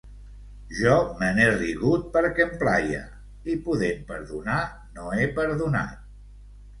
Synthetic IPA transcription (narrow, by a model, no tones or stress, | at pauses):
ʒɔməneriɣut̪̚pəɾkɛəmplajə̰ | ipuðempə̰ɾðuna | noepəɾðuna̰t̪̚